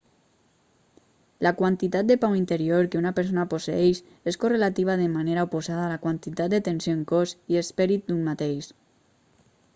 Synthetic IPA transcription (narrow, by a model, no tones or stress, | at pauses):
lakwant̪it̪at̪̚d̪epawint̪eɾioɾkeunapeɾs̬onaposeeʃ | eskorelat̪iβaðemaneɾaopozaðaːlakwant̪it̪at̪d̪et̪ensjoeŋkoziespeɾit̪̚d̪unmat̪ejʃ